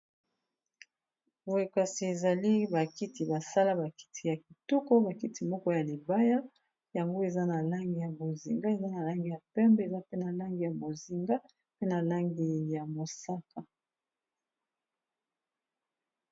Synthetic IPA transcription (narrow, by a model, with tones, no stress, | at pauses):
bo˨e˨ka˨si˨e˨za˨li˦ba˨ki˦ti˨ba˨sa˦la˦ba˨ki̥˦tʰi˨ja˨ki˨tu˦ko˦ba˨ki˦ti˨mɔ˦kɔ˦ja˨li˨ba˦ja˦ | ja˨ŋɡo˦e˨za˦na˨la˦ŋɡi˨ja˨bo˨zḭ˨ŋɡa˦e˨za˦na˨la˦ŋɡi˨ja˨pɛ˦mbɛ˦e˨za˦pe˦na˨la˦ŋɡi˨ja˨bo˨zi˨ŋɡa˦ | pe˦na˨la˦ŋɡi˨ja˨mo˨sa˦ka˨